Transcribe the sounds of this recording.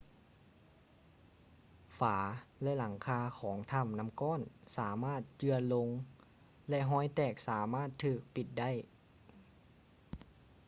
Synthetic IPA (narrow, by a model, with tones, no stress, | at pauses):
faː˩˦lɛ˧ʔla˩˦ŋkʰaː˧kʰɔː˩˦ŋt̪ʰa˧˥˩mna˧˥˨mkɔː˧˥˨nsaː˩˦maː˥˩t̪̚t͡ɕɯ˧ɐlo˧ŋ | lɛ˧ɦɔː˧˥˩jt̪ɛː˧˩k̚saː˩˦maː˥˩t̪ʰːɯː˧˩k̚pi˨˩t̪̚da˥˨j